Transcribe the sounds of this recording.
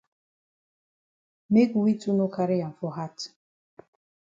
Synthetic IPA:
me˦ku˨wi˦tu˦no˦kʰa˨ɾɪ˦ja˨ɱ̩˨fɔ˨ɦa˦t

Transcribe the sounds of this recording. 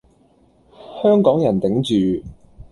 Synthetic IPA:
hœː˥ŋkɔː˨˥ŋjɐ˨˩nt̪ɪ˨˥ŋt͡ʃyː˨

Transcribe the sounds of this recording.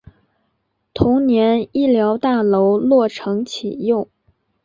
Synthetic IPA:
t̪ʰʊ˧˥ŋnjɛ˧˥ni˥˩ljɑ˧˥ʊt̪a˥˩lo˧˥ʊlwɔ˥˩ʈ͡ʂʰɤ˧˥ŋt͡ɕʰi˨˩jo˥˩ʊ

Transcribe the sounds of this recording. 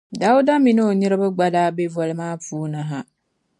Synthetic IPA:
da˨˦ʊ˦da˦mi˨no˦o˨ni˦ɾa˦bɛ˦ɡ͡ba˦daː˦be˦va˨lɪ˦maː˦fuː˦na˨ɦa˦

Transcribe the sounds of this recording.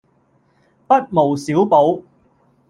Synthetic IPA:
pɐ˥t̚mo˨˩wsiː˨˥wpo˨˥w

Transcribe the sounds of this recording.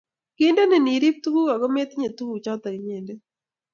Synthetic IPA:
kɪ˦nde˦nɛ˨ni˨ɾi˦p̚t̪u˦ɡu˦ka˨ɡɔ˦me˦t̪ɲe˨t̪u˦ɡu˨t͡ʃɔ˦t̪a˨ɡɲɛ˨ndɛ˦

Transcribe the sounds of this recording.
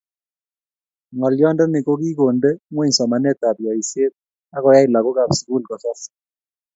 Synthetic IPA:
ŋɔ˨ljɔ˦ndɛ˦nɪ˨ko˦ki˦ko˨nde˦ŋwe˦ɲ˨sɔ˨ma˨nɛ˦˨ta˨bjɔ˨i˨se˦t̚ | a˦kɔ˨ja˦i˨la˨ko˦ka˨bsi˨ku˦lkɔ˨sɔ˦s

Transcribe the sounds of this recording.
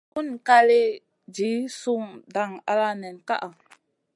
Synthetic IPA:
ku˦˨nka˧le˦ | d͡ʒi˨˦su˦˧ŋda˨ŋa̰˧la˦nɛ˨nka̰˦ʔa˨

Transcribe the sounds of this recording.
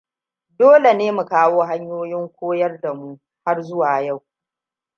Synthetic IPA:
doː˦le˨neː˦mu˨kaː˦woː˦ɦa˦ɲjoː˦jɪ˦ŋkʷoː˦jɐ˦rda˨mu˦ | ha˦rzʊ˦waː˨ja˦˨w

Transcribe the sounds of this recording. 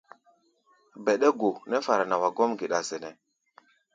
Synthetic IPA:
bɛ˨ɗe˦ɡo˨nɛ˦fa˨ɾa˨na˨wa˨ɡo˦mɡi˨ɗa˨sɛ˨nɛ˨

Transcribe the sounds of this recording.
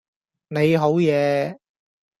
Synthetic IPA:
ne˨˧jɦo˨˥wjɛː˨˧

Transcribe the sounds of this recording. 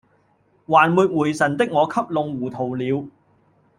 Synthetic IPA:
waː˨˩nmuː˨˧t̚wuː˨˩jsɐ˨˩nt̪ɪ˥k̚ŋɔː˨˧kʰɐ˥p̚lʊ˧ŋwuː˨˩t̪ʰo˨˩wliː˨˧w

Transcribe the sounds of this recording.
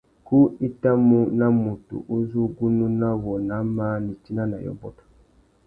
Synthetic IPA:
ku˦i˦ta˦mu˦na˦mu˨tṵ˨ʔu˦zu˦ɡu˦nũ˦nã˦wɔ˨na˨˦ma˦ni˨t͡ʃi˦na˦na̰˨jɔ̰˦bɔ˦tɔ̥˨

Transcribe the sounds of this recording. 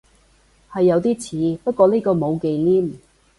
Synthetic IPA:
hɐ˨jːɐ˨˧wt̪iː˥t͡sʰiː˨˧pɐ˥t̚kʷɔː˧niː˥kɔː˧mo˨˧wke˨jliː˥m

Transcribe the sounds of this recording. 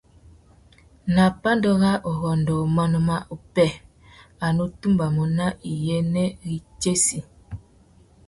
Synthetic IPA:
na˨pa˦ndɔ˦ɣa˦ʔo˨ɣɔ˨ndo˨mɔ˦nɔ˨ma˦ʔu˨pɛ˦˨ | a˨nu˦tu˦mba˨mɔ˨na˦ʔi˨jɛ˦nɛ˦ɣi˨t͡ʃe˦si˨

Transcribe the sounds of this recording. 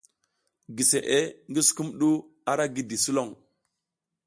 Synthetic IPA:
ɡi˨se˨ʔe˦ŋɡi˦su̥˨ku˦mɗu˦ | a˦ɾa˦ɡi˦˨di˨su˦lo˦˨ŋ

